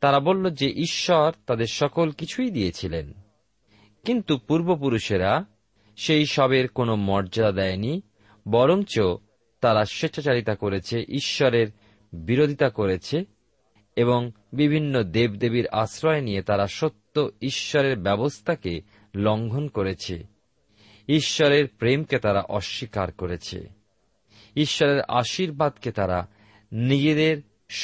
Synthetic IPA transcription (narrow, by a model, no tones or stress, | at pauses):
t̪aɾabolːod͡ʑeʔiʃːɔɾt̪ad̪eɾʃɔkolkit͡ɕʰujd̪ijet͡ɕʰilen | kint̪upuɾbop̬uɾuʃeɾa | ʃejʃɔbeɾkonomɔɾd͡ʑad̪ad̪ɛeni | bɔɾoŋt͡ɕo | t̪aɾaʃeʃʰat͡ɕaɾit̪akoɾet͡ɕʰeʔiʃːɔɾeɾ | biɾod̪ʱit̪akoɾet͡ɕʰe | eβoŋ | bibʱinːod̪ebd̪ebiɾa̰sɾɔenijet̪aɾaʃot̪ːoiʃːɔɾeɾbɛbost̪ʰake | lɔŋɡʱonkoɾet͡ɕʰḛ | iʃːɔɾeɾpɾemket̪aɾa̰ʔɔʃːikaɾkoɾet͡ɕʰḛ | iʃːɔɾeɾa̰ʃiɾbad̪ket̪aɾa | nid͡ʑed̪eɾ | ʃ